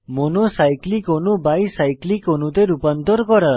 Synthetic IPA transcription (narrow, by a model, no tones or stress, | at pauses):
monosajklikɦonubajsajklikɦonut̪eɾupʌnt̪oɾkʌɾʌ